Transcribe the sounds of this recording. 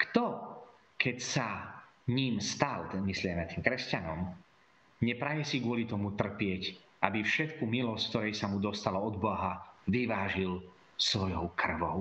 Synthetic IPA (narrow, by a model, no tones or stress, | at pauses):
kt̪ɔ | kɛcsaɲiːmst̪almislɪɛmɛt̪iːmkɾɛscanɔm | ɲɛpɾajɛsiɡʊɔlit̪ɔmut̪r̩pɪɛc | abifʃɛt̪kumilɔsck̚t̪ɔɾɛjsamud̪ɔst̪alɔɔd̪baɦaʋiʋaːʒil | sʋɔjɔʊkr̩ʋɔʊ